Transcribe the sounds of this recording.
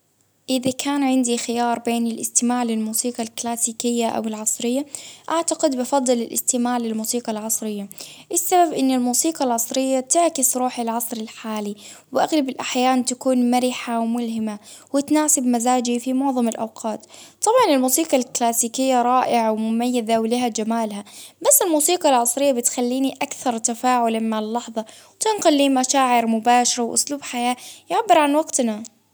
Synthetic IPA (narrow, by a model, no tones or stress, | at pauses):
ʔɪðakaːnʕɪnd̪ixɪjɑːɾˤbeːnɪlʔɪ̰st̪ɪmaːʕlɪlmuːsiːqɑlklaːsiːkɪjːaʔa̰wɪlʕɑsˤɾɪjːaʔaʕt̪aqɪd̪bɑfɑd̪ˤːɨlɪlʔɪ̰st̪ɪmaːʕlɪlmuːsiːqɑlʕɑsˤɾɪjːaʔɪsːababʔɪnːɪlmuːsiːqɑlʕɑsˤɾɪjːat̪ɪʕkɪsɾuːħɪlʕɑsˤɾɪlħaːliwʔaɣlabɪlʔaħjaːnt̪akuːnmaɾiħawmʊlhɪmawɪt̪naːsɪbmazaːd͡ʒifimʊʕðˤɑmɪlʔawqʰɑːt̪t̪ːˤɑbʕɑnɪlmuːsiːqɑlklaːsiːkɪjːaɾˤɑːʔɪʕawmʊmajːɪðawlɪhad͡ʒamaːlɦabasːɪlmuːsiːqɑlʕɑsˤɾɪjːabɪt̪xalːiːniʔakθɑɾˤt̪afaːʕʊlamaɪlːɑħðˤɑwt̪ɪnqʊlːiːmaʃaːʕɪɾmʊbaːʃɑɾˤawʔʊ̰sluːbħajaːjɪʕbːɪɾʕanwɑɡt̪na